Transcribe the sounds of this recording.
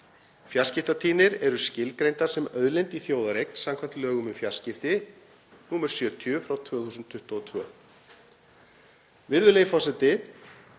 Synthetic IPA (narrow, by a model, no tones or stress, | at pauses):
fjaɾ̥scɪft̪at̪ʰiːnɪɾɛɾʏscɪlkɾejnt̪aɾ̥sɛmœðlejnt̪iθjoːwðaɾejkn̥samkʰvam̥t̪lœːɣʏmʏfjar̥scɪft̪ɪ | nuːmaɾ̥sjœːt̪ʰjʏfɾawt̪ʰvœːθuːsʏnt̪ʰːʏht̪ɔɔt̪ʰvœː | vɪɾðʏlejfɔsɛt̪ɪ